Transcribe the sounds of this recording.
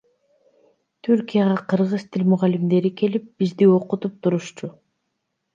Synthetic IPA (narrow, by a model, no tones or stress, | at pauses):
t̪ʰyɾkijaʁɑqʰɯɾʁɯz̥t̪ʰilʲmuʁalimd̪e̞ɾike̞lip̚b̥izd̪io̞qut̪up̚t̪ʰuɾuʃt͡ʃu